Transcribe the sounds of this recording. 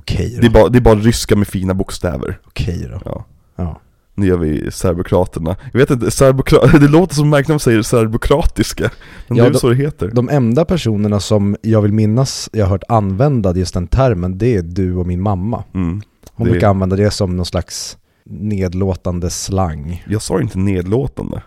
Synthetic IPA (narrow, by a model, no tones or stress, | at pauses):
ɔkʰɛ̰jd̪ɛbɑɾad̪ɛːɾbɑːɾaɾʏskamɛfiːnabʊkst̪ɛ̰ːvə̰ɾɔ̥kʰɛ̰jɾɔ̰ɑ̰ː | jɑ̰ː | nʉjœːɾvɪ̰sæɾbʊkʰɾɑːt̪əɳa̰jɑveːt̪ɪnt̪əsaɾbʊkʰɾɑd̪ɛloːt̪əʂɔmːæɾklɪsɛjːəsæɾbʊkʰɾɑːt̪ɪskaɛnɑɛːɛd̪sɔːd̪ɛɦeːt̪əɾd̪ɔmʔɛnd̪apʰæʂuːnəɳasɔmjɑːɡvɪlmɪnːasjɑhaɾɦœːʈanvɛnd̪ad̪jɵst̪̚d̪ɛnt̪ʰæɾmənd̪ɛæd̪ɵɔmɪnmamːa̰ | hʊnʉkaanvɛnd̪ad̪ɛsɔmnɔnslaks | neːd̪loːt̪and̪əslaŋːjɑːɡsɑ̰ːjɪ̰nt̪əneːd̪loːt̪a̰nd̪ə̰